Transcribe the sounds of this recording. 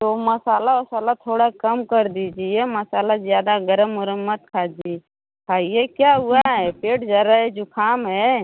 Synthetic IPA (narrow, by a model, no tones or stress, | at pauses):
t̪omɐsaːlaɐsaːlat̪ʰoːɽakɐmkəɾd̪id͡ʒiemɐsaːlazjaːd̪aɡəɾəmːʊɾəmːət̪kʰaːd͡ʒi | kʰaːijekjaːɦʊaɦɛpeːʈd͡ʒaːɾaɦɛd͡ʒokʰaːmɦɛ